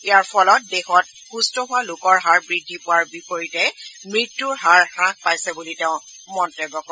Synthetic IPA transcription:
ijaɹpʰɔlɔt̚dexɔt̚ | xustɔɦʊwalʊkɔɹɦaɹbɹidʱːipʊwaɹbipoɹitɛmɹitːuɹɦaɹxɹãk̚pajsɛbuliteʊ̃ | mɔntebːɔkɔ̃

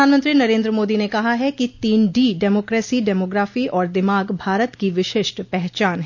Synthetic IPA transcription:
aːnmə̃nt̪ɾinɐɾẽːnd̪ɾəmoːd̪inekɐɦaɦɛkit̪iːnɖiːɖɛːmoːkɾeːsiɖɛːmoːɡɾaːfiʔɔːɾd̪ɪmaːɡbʱaːɾət̪kiʋɪʃɪʃʈpɛɦt͡ʃaːnɦɛ

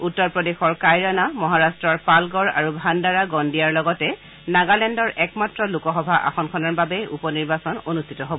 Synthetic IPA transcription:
utːɔɹpɹɔdexɔɹkajɹanamɔɦaɹastɹɔɹpalɡɔɹa̰ɹubʱandaɹaɡɔndijaɹlɔɡɔtɛ | naɡalɛndɔɹɛkmatɹɔlukɔxɔbʱaʔa̰xɔnkʰɔnaɹbabɛṵpɔniɹbasɔnonustʰitɔɦobɔ

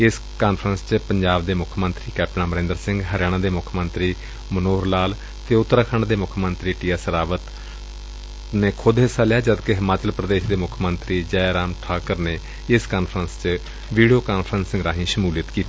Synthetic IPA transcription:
ɪs | kaːnpʰɾənst͡ʃpəɲd͡ʒaːbd̪eːmʊkʰmənt̪ɾiːkɛːp̚ʈnãːməɾɪ̃nd̪əɾsɪ̃ŋɡɦəɾɪjaːɽ̃ãːd̪eːmʊkʰmənt̪ɾiː | mənoːɾlaːl | t̪eːʊt̪ːɾaːkʰaːɳd̪eːmʊkʰmənt̪ɾiːʈiːɛsəɾaːʋət̪ | neːkʰʊd̪ɦesaːlɪjaːd͡ʒəd̪keɦɪmaːt͡ʃəlpɾəd̪eːʃd̪eːmʊkʰmənt̪ɾiːd͡ʒɛːɾaːmʈʰaːkəɾneː | ɪskaːnpʰɾənst͡ʃ | ʋiːɖijoːkaːnpʰɾənsɪ̃ŋɡɾaːɦĩːʃəmuːlɪt̪kiːt̪i

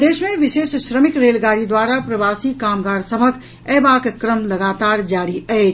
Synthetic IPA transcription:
d̪esmeʋiʃesʃɾəmikɾelɡaɾid̪waɾapɾəbasikamɡaɾsəbʱək | ɛbakekɾəmləɡat̪aɾd͡ʒaɾiət͡ʃʰ

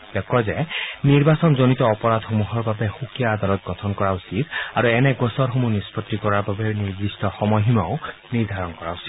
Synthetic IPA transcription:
b̥ɔkːɔzɛniɹbasɔnzonit̪ɔːpɔɹad̪ʱxomuɦɔɹbabɛxukijaːd̪alɔt̪̚ɡɔtʰɔnkɔɹausit̪aɹuɛnɛɡɔsɔɹɦomunispɔtːikɔɹaɹbabɛɹniɹdistɔxɔmɔjɦimaʊniɹd̪ʱaɹɔnkɔɹausi̥d̪

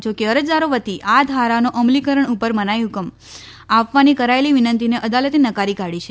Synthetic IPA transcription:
t͡ʃʰokeəɾəd͡ʒd̪aɾoʋət̪iʔad̪ʱaɾanoʔəmlikəɾəɳupəɾmənajukəm | aʋʋanikəɾaeliʋinənt̪ineʔəd̪alət̪inəkaɾikaɽit͡ʃʰe

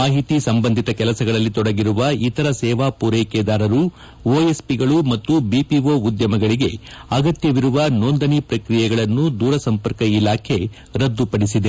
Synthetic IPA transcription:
maːɦit̪isɐmbɐnd̪ʱit̪ɐkɛlɐsɐɡɐɭɐlːit̪ɔɽɐɡiɾuʋɐit̪ɐɾɐsɛːʋaːpuɾɛːkeːd̪aːɾɐɾu | oːespiɡɐɭumɐt̪ːubipiʋoːud̪jɐmɐɡɐɭiɡe̞ɐɡɐt̪jɐʋiɾuʋɐnoːnd̪ɐnipɾɐkɾijɛɡɐɭɐnːud̪uːɾɐsɐmpɐɾkɐilaːkʰe̞ | ɾɐd̪ːupɐɽisid̪e

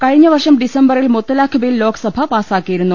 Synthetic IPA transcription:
kɐɻiɲːɐʋɐrʂɐmɖisɐmbɐrilmut̪ːɐlaːkʰːɐbɐjillo̞ːkʰɐ̥sɐbʱɐpaːsaːkːijiɾunːu

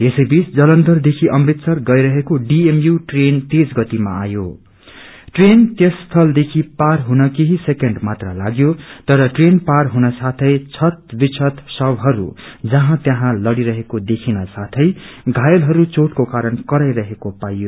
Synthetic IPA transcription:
esʌjbit͡sd͡zʌlʌnd̪ʌrd̪ekʰiʔʌmbit̪sʌrɡʌjɾʌɦekoɖiemjuʈrent̪ed͡zɡʌt̪ima̰ːjo | ʈrent̪jest̪ʰʌld̪ekʰiparɦunʌkeɦisekeɳɖmat̪rʌlaɡjot̪ʌɾʌʈrenparɦunʌsat̪ʰʌjt͡sʰʌt̪̚bit͡sʰʌt̪sʌbɦʌɾṵd͡zʌɦãt̪jaɦãlʌɽiɾʌɦekod̪ekʰinʌsat̪ʰʌjɡʱajʌlɦʌɾut͡soʈkokaɾʌnkʌɾajɾʌɦekopajjo

